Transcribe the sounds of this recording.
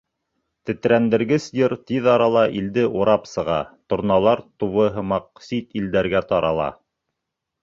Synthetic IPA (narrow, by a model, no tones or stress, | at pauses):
t̪ɘ̆t̪ɾænd̪ɘ̆ɾɡɘsjɘɾt̪iðɑɾɑlˠɑʔild̪ɘʔuɾɑpsɤ̆ʁɑ̰t̪ŏɾnɑlˠɑɾt̪uβɤ̆ɦɤmɑq̚sit̪ild̪æɾɡæt̪ɑɾɑlˠɑ̰